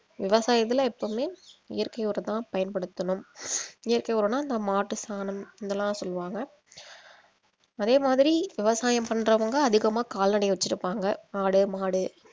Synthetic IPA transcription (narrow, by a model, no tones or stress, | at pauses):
ʋɪʋɐsaːjɐt̪̬ːɪlɐɛpːɐːmeːɪjɐɾkɐɪɔɾɐt̪ãːpɐjɐnpɐɽɯt̪ːɐnɯmɪjɐɾkɐɪɔɾɐnaːɪnd̪ɐmaːʈːɯst̪ʰaːnɐmɪnd̪ɐlːãːsɔlːɯʋaːŋɡɐ | ɐðeːmaːðɪɾiʋɪʋɐsaːjɐmpɐɳːɾɐʋɐŋɡɐɐðɪɣɐmaːkaːlnɐɽɐɪʋɛt͡ʃːɪɾɯpːaːŋɡɐaːɽɯmaːɽɯ